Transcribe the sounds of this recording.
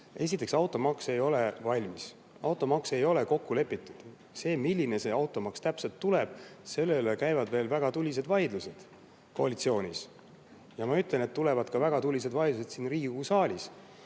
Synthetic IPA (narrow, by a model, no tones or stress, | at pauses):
e̞s̬ʲit̪ːˑeksɑwt̪ːˑo̞mɑkse̞jo̞le̞vɑlʲmis | ɑ̰wt̪ˑo̞mɑkse̞jo̞le̞ko̞kːule̞pːˑit̪ːˑud̪̥ | se̞ːmilʲːinese̞ɑwt̪ːˑo̞mɑkst̪æpse̞lt̪ːuleb̥̚se̞lːelekæjvɑd̪ve̞ːlvæɡ̥ɑt̪ulʲis̬e̞d̪vɑjd̪luse̞d̪̥ | ko̞ɑlʲit̪sio̞ːnʲis | jɑmɑyt̪ˑle̞net̪ːule̞vɑd̪kɑvæɡ̥ɑt̪ulʲis̬e̞d̪vɑjd̪luse̞d̪̥siːnriːɡ̥usɑːlʲis